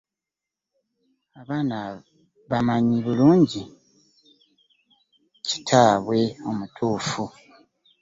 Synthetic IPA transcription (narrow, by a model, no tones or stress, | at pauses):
aβaːna | βamaɲiβuluːɲɟi | ci̥tʰaːβwe̞o̞mutʰuːfu